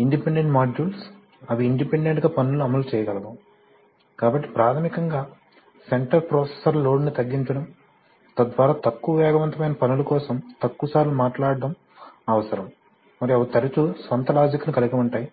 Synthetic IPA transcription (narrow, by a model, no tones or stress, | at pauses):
iɳɖipeɳɖe̞ɳʈmaːd͡ʒuːls | ɐʋiːɳɖipeɳɖeɳʈɡaːpɐnuluɐmɐlut͡ʃɛːjɐɡɐlɐbɐm | kaːbɐʈːi̥pɾaːt̪ʰɐmikɐŋɡaː | se̞ɳʈɐɾpɾɔːsesɐɾlloːɖnit̪ɐɡːiɲt͡ʃɐɽɐm | t̪ɐd̪ʋaːɾaːt̪ɐkːuʋɐʋjɔːɡɐʋɐnt̪ɐmɐjnɐpɐnulɐkɔːsɐmt̪ɐkːuɐsaːɾlumaːʈlaːɽɖɐm | ɐʋɐsɐɾɐm | mɐɾiɐʋɐt̪ɐɾɐt͡ʃusʋɐnt̪ɐlaːd͡ʒikɐnikɐlɐɡɐmuɳʈaːji